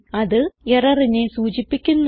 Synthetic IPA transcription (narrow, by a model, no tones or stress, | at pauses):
ɐðɨerɐrinesuːt͡ɕipːikʲːunː